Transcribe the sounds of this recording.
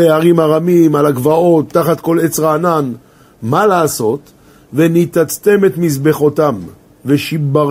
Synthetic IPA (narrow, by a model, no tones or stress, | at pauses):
eaʁimaʁamimalaɡvao̞t̪ːaχat̪̚ko̞let͡sʁaːnan | malaːso̞t̪ | venit̪at͡st̪emet̪mizbe̞χot̪am | veʃiba